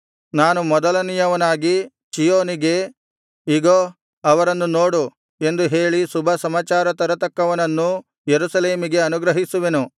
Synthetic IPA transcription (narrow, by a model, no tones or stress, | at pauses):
naːnumɔd̪ɐlɐnijɐʋɐnaːɡi | t͡ʃijoːniɡe̞ | iɡoː | ɐʋɐɾɐnːunoːɽu | e̞nd̪uɦe̞ːɭisubʱɐsɐmaːt͡ʃaːɾɐt̪ɐɾɐt̪ɐkːɐʋɐnɐnːu | jeɾusɐle̞ːmiɡe̞ɐnuɡɾɐɦisuʋenu